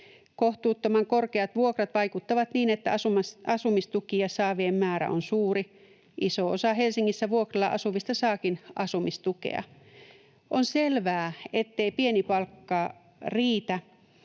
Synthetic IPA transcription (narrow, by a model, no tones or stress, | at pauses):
koht̪uːt̪ːomɑŋkorkeɑt̪ʋuokrɑt̪ʋɑikut̪ːɑʋɑt̪niːnet̪ːæɑsumɑɑsumist̪ukiɑsɑːʋiemːæːɾæ̰onsuːri | ʔisoo̰sɑhelsiŋːisːæʋuokrɑlːɑ̰ʔɑsuʋist̪ɑsɑːkinɑsumist̪ukḛɑ̰ | ʔonselʋæːet̪ːeipienipɑlkːɑː | riːt̪æ